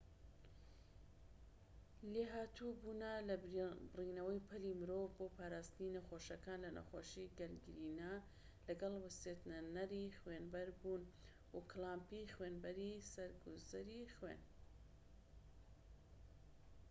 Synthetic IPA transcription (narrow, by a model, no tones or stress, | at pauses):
leːɦaːt̪ʰubuːnɐlɐbrinɐwɐjpʰɨlimɨɾoːvboːpʰaːɾaːst̪ɨninɐxoːʃɐkaːnlɐnɐ̰xoːʃiɡɐlɡɨɾiːna | lɐɡɐlwɨset̪nɐnɐɾixweːnbɐɾbuːn | wuklaːmpixweːnbɐɾisɐɾɡuzɐɾixwḛn